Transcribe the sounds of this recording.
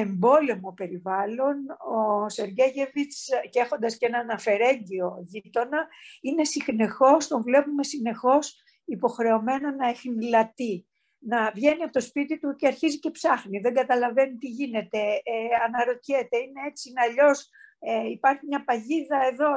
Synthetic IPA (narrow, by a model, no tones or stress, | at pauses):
e̞mbo̞le̞mo̞pe̞ɾivɐlo̞no̞se̞ɾʝeʝevit͡scexo̞nd̪ɐscenɐːnɐfe̞ɾe̞ɲd̪io̞ʝit̪o̞nɐine̞sixne̞xo̞st̪o̞ɱvle̞pume̞sine̞xo̞s | ipo̞xɾe̞o̞me̞nonɐexinlɐt̪i | nɐvʝe̞niɐpot̪ospit̪it̪ut̪eɐɾçizice̞psɐxniðe̞ŋɡɐt̪ɐlɐve̞nit̪iʝine̞t̪e̞ɐnɐɾo̞t̪çe̞t̪e̞ine̞e̞t͡sinɐʎo̞seipɐɾçimɲɐpɐʝiðɐe̞ðo̞